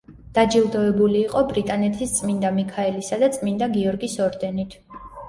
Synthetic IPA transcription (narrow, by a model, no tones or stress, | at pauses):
d̪̥ad͡ʒilˠd̪ɔɛbuliːqʼɔbɾit̪ʼanɛt̪ʰist̪sʼmind̪amikʰaɛlisad̪at̪sʼmind̪aɡiɔɾɡisɔɾd̪ɛnit̪ʰ